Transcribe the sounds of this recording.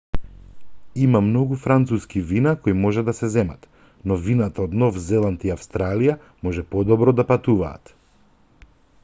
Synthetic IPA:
imamnɔɡufɾant̪suskivinakojmɔʒɛd̪asɛzɛma̰t̪ | nɔvinat̪aɔd̪nɔfzɛlˠant̪iafst̪ɾalija | mɔʒɛpɔd̪ɔbɾɔd̪apat̪uva̰ːt̪

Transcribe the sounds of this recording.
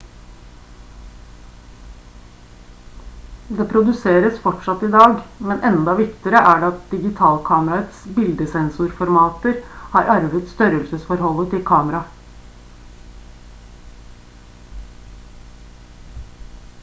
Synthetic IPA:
d̪eːpʰɾʊd̪ʉseːɾəsfɔʈʂɑt̪ːɪd̪ɑːɡmɛnʔɛnd̪ɑʋɪkt̪ɪəɾəʔæɖɑt̪̚d̪ɪɡɪt̪ʰɑːlkʰɑːməɾɑət̪sbɪld̪əsɛnsʊɾfɔɾmɑːt̪əɾhɑːɾʔɑɾʋət̪st̪œɾəlsəsfɔɾhɔlːət̪ʰɪlkʰɑːməɾɑ

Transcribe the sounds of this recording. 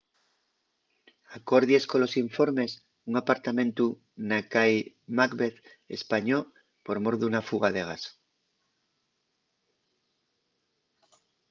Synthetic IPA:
ako̞ɾðjesko̞lo̞siɱfo̞ɾme̞s | uŋapaɾt̪amẽ̞nt̪u | nakaj | makβeθ | ḛspaɲo | po̞ɾmo̞ɾðunafuɣaðe̞ɣ̞as

